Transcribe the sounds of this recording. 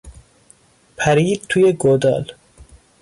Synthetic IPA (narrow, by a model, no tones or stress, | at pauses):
pʰæɾiːd̪̚t̪ʰujeɡod̪ɒ̰ːl